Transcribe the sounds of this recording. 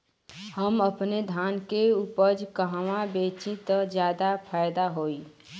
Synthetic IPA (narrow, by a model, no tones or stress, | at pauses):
həməpned̪ʱaːnkeupəd͡ʒkəɦʋãbet͡ʃit̪d͡ʒjaːd̪apʰaːjd̪aɦoːi